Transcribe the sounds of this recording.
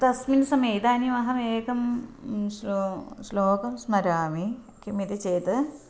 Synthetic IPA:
t̪ɐsminsɐmeːjd̪aːnimɐɦɐmeːkɐmslosloːkɐmsmɐɾaːmi | kimit̪it͡ʃeːt̪ɨ

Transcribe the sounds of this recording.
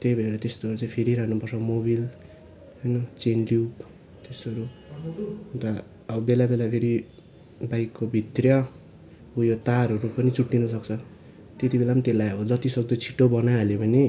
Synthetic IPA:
t̪ejbʱʌeɾat̪est̪oʌɾut͡saj̃pʰeɾiɾʌɦnupʌrt͡sʰʌmoβil | ɦʌjnʌt͡senlup | t̪esʌɾu | t̪ʌː | bʌbelabelapʰeɾi | bajkːobʱit̪rjʌ | ujot̪aɾʌɾupʌnit͡suʈːinʌsʌkt͡sʰʌ | t̪et̪ibelamʌnt̪elajʌbʌd͡zʌt̪isʌɡ̚d̪ʌt͡sʰi̥ʈobʌnaalebʌne

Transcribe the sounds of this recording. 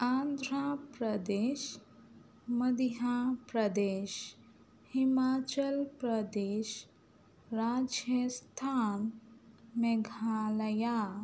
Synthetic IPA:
ãnd̪ʱɾapɾəd̪eɕ | məd̪ijapɾəd̪eɕ | himat͡ɕəlpɾəd̪eɕ | ɾad͡ʑjəst̪ʰan | meɡʱaləja

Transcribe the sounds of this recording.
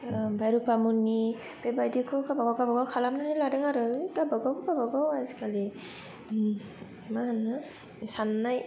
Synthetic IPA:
bajɾupamuni | b̥ebajdikʰɯkabaɡawɡabaɡawkʰalamnanaladɯŋaɾɯɡabaɡawkaɡabaɡawazikali | maanɯ | sanːaj

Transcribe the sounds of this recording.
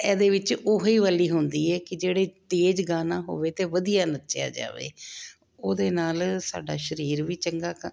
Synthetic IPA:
ɛːd̪eːʋɪt͡ʃoːɦiːʋəːliːɦʊ̃nd̪iːɛːkɪd͡ʒeːɽeːt̪eːd͡ʒɡaːnaːɦo̰ːʋeːt̪eːʋəd̪ijaːnətːʃja̰ːd͡ʒa̰ːʋḛː | oːd̪eːnaːlsa̰ːɖaːʃəɾiːɾʋiːt͡ʃəŋɡaːk

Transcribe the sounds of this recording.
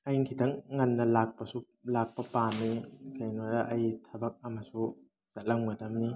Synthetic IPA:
ajŋkʰitɐŋːɐnːɐlak̚pɐsu | lak̚pɐpanikʰajnɔɾaʔɐjtʰɐbɐk̚ɐmɐsu | zalɐŋmadɐmni

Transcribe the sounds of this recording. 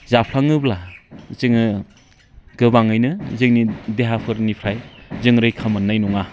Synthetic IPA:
zapʰaŋɯblazɯŋɯ | ɡ̥ɯbaŋɯjnɯzɯŋnideɦapʰɯɾnipʰɾajzɯŋɾɯjkʰamɯnːajnuŋa

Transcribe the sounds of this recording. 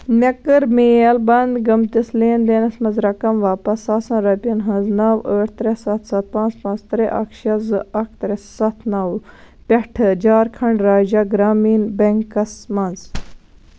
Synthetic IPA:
mʲɐkəɾmeːɐlbɐnd̪ɡɐmt̪isleːnd̪eːnɐsmɐnzɾɐkɐmʋaːpɐsaːsɐ̃nɾɐpʲinɦɐ̃nznaːwəːʈʰt̪ɾesɐt̪ʰsɐt̪̚pãːnt͡spãːt͡st̪ɾeʔɐ̰kʰʃɐzɨɐkʰt̪ɾɛsːɐt̪ʰnɐw | pʲɐʈʰɨd͡ʒaːɾkʰɐɳɖɾaːd͡ʒɐɡɾaːmiːnbɐŋkɐsmɐnz

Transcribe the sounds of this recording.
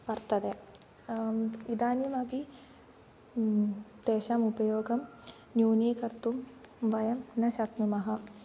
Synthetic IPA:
pɐɾt̪ɐd̪e | id̪aːnimɐpi | d̪̥eːʃaːmupɐjoːɡɐm | njuːniːkɐɾt̪umʋɐjɐmnɐʃɐkmimɐɦɐ̆

